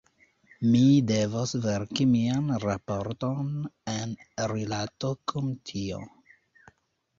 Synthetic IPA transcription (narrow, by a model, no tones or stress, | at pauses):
mide̞vosveɾkimianɾapoɾtonenɾilatokʰumtʰio̰